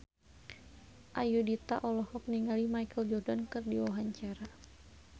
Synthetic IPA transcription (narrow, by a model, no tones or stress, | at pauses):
ʔajudit̪aʔɔlɔhɔk̚niŋalimajkəld͡ʒɔrdankɨrdiwaɦaɲt͡ʃaɾa